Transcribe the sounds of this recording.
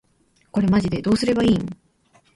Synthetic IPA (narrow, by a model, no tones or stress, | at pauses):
ko̞ɾe̞maʑid̪e̞d̪o̞ːsɨɾe̞baĩːŋ